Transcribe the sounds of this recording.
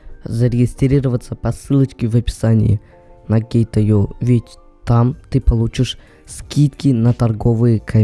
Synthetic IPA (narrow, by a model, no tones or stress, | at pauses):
zəɾʲɪɡʲɪst̪ɾʲiɾəvət̪səpɐsɨlˠət͡ɕkʲɪvɐpʲɪ̥sanʲɪ̰jɪ | nɐɡʲejt̪ɐjovʲɪtʲ | t̪amt̪ɨpɐlˠut͡ɕɪʂ | skʲit̪kʲɪnɐt̪ɐrɡovɨjəkʰɐ